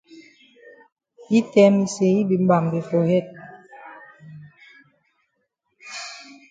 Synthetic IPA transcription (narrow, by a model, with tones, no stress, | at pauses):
i˦tɛ˦mi˨se˨i˦bi˨m˦ba˨mbe˨fo˨hɛ˦˨t̚